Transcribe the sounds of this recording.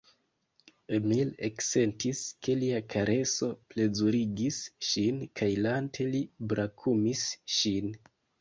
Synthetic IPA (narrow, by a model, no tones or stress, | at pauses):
emilekse̞ntiske̞liakʰaɾʔe̞so̞ple̞zuɾiɡisʃinkʰajlantʰe̞libɾakʰumisʃin